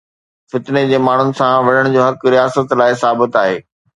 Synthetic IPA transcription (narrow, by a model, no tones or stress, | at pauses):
fɪt̪ned͡ʑeːmaːɳ̤ʊnɪ̆sãʋɐɽəɽ̃d͡ʑoːɦɐkɾijaːsət̪laːɪsaːbɪt̪aːɦeː